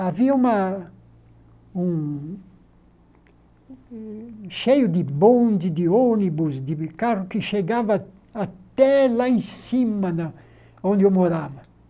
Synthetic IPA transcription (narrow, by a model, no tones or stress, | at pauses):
aviɐũmɐ | ũ | ʃejʊd̪ɪbõnd͡ʒ̪ɪd̪ɪonibʊsd̪ɪkarʊkɪʃeɡavɐ | at̪ɛlaĩsimɐna | õnd̪ɪewmoɾavɐ